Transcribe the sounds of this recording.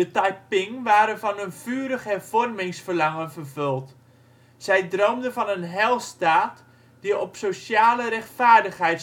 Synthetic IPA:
dətajpɪŋʋaːɾənvɑnənv̥yːɾəχɦɛrv̥ɔrmɪŋsfərlɑŋənvərvɵlˠt | z̥ɛjdrowmdənvɑnənɦɛlˠstaːt | d̥iɔpsoʃaːləɾɛxtfaːrdəχɦɛjt

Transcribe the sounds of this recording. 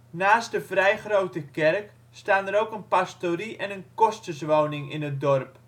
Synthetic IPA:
naːst̚dəvrɛjχrowtəkɛrk | staːnəɾowkənpastoɾiʔɛnənkɔstəsʋownɪŋɪ̰nət̚dɔrp

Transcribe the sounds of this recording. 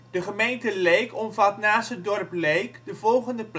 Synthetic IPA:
d̥əχəmejntəlejkɔmvɑtnaːsədɔrplejkdəvɔlˠχəndəp

